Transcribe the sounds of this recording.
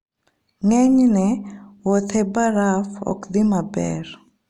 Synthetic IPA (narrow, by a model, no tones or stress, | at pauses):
ŋɛɲnɛwot̪ʰebaɾafɔ̰kd̪imabɛ̰r